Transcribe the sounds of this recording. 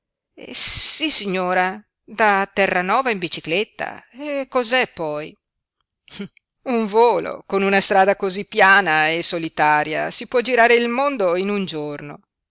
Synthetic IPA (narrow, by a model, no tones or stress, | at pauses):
ɛ̰sisːiɲːoːɾa | d̪at̪ːɛrːanɔːvaimbit͡ʃiklet̪ːa̰ekːozɛpːɔj | uɱvoːlo̰konunast̪ɾaːd̪akozipːjaːnaesolit̪aːɾja̰sipwɔd͡ʒiɾaːɾeilmond̪oinund͡ʒorno